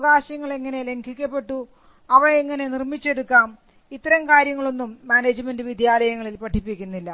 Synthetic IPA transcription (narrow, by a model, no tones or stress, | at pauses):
ɣaːɕɐŋːɐɭe̞ŋːɐne̞le̞ŋkʰikʲːɐpːe̞ʈːu | ɐʋɐɳiŋːɐne̞nirmit͡ɕːe̞ɽukːaːm | it̪ːɐɾɐmkaːɾjɐŋːɐɭo̞nːumːaːneːd͡ʑɨmendɨʋid̪ʱjaːlɐjɐŋːɐɭilpɐʈʰːipːikʲːunːilːɐ